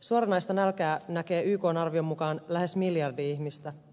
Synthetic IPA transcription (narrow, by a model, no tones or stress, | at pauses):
suoɾɑnɑjst̪ɑnælkæːnæke̞ːʔyːko̞ːnɑrʋio̞mːukɑːnlæɦe̞smiljɑrdiiçmist̪æ